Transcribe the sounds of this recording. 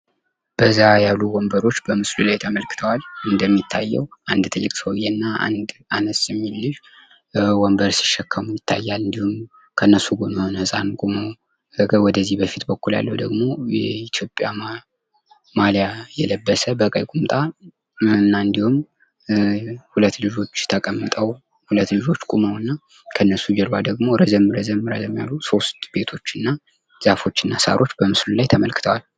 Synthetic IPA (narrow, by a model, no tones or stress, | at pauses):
b̥əzːajalːuwɔmbəɾo̞t͡ʃːbəmɨslulajt̪ʰəməlkɨ̥t̪ʰəwalɨnd̪əmːit̪ʰːajːɛ̰wʔand̪t̪ʰɨlːɨkʼsəwjɛnːaa̰nd̪anəsɛmːilːɨʃ | wɔmbəɾsɪ̥ʃːɛkʰːəmujɪt̪ʰːa̰jːalɨnd̪ihum | kʰənːəsːuɡonənəsʼankʼumo | əwɔd̪əzːihbəfit̪bəkːulja̰lːəwd̪əɡmo̞jɛit̪ʰjo̞pʼja | maljajɛləbːəsəbəkʼə̰jkʼumt̪ʼa | nːaɨnd̪ihum | hulət̪ːlɨd͡ʒo̞t͡ʃːt̪ʰəkʼəmːɨt̪ʼəw | hulət̪ːlɨd͡ʒo̞t͡ʃːkʼuməwɨnːa | kʰənːəsud͡ʒɛlbad̪əɡmo̞ɾəzəmɾəzəmɾəzəmːja̰lːuso̞st̪b̥e̞t̪ʰo̞t͡ʃːɨnːa | z̥afo̞t͡ʃːɨnːasa̰ɾʔo̞t͡ʃːbəmɨslulajt̪ʰəməlkɨt̪ʰəwal